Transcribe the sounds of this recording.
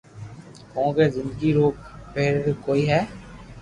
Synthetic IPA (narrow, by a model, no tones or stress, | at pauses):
kɔ̃ːɡeːzɪ̃nd̪ɡiɾoːk̚pɪɾkoːiːɦɛː